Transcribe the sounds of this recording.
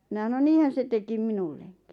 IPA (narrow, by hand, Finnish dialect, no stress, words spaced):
minɑ sɑno niːhæn̞ se tekim minulːeŋki̥